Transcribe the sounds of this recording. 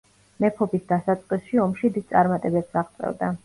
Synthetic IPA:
mɛpʰɔbisd̪asat̪sʼqʼwisʃiɔmʃid̪id̪̚tsʼaɾmat̪ʼɛbɛpsaʁt̪sʼɛ̰vd̪a

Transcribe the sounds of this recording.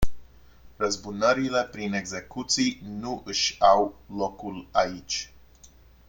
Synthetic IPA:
rəzbunəɾile̞pɾine̞ɡze̞kut̪sijnuʔɨʃʲawlo̞kulait͡ʃʲ

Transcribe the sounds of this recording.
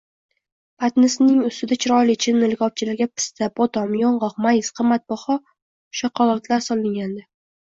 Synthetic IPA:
pat̪nɪsnɪŋʊst̪ɪd̪at͡ʃʰɪɾɒjlɪt͡ʃʰɪnːɪlɡʲɒp̚t͡ʃʰɪlaɾɡʲapʰɪ̥st̪abɒt̪ɒmjɒɴʁɒqmajɪsqʰɨmːat̪̚bɒχɒ | ʃɒqɒlˠɒt̪ʰlaɾsɒlˠɪŋɡʲand̪ɪ

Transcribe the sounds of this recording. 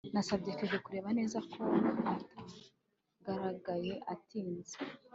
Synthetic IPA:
nasab̚ɟe̞keʒekuɾe̞ːβane̞ːzakʰo̞akata | ɡaɾaɡaje̞ʔatiːnze

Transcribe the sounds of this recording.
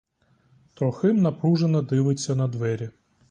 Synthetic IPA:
t̪ɾɔxɪmnɐpɾuʒenɐd̪ɪʋɪt͡sʲːɐnɐd̪ʋɛɾʲi

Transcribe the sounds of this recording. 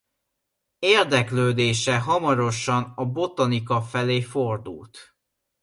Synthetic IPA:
eːrd̪ɛkløːd̪eːʃɛɦɒmɒɾo̞ʃɒnɒbo̞t̪ɒnikɒfɛleːfo̞rd̪ṵlt̪

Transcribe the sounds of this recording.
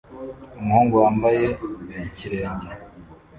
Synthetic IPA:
umhoːŋɡowaːmbaje̞ciɾeːɲɟe

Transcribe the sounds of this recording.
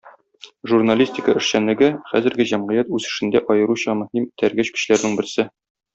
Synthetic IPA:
ʒurnalʲisʲtʲɪkəɘ̆ʃɕænlɘ̆ɡɘχæzɘ̆ɾɡɘʑæmʁɤ̆jæt̪ʉzɘ̆ʃɘ̆nd̪æʔɒjɤ̆ɾuɕɑmɵ̆himt̪ʰæɾɡæɕkɘ̆ɕlæɾnɘŋbɘ̆ɾsɘ

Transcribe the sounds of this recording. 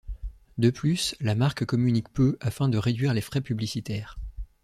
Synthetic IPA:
d̪əplyslamaʁkkɔmynikpøafɛ̃d̪əʁed̪ɥiʁlefχɛpyblisit̪ɛːʁ

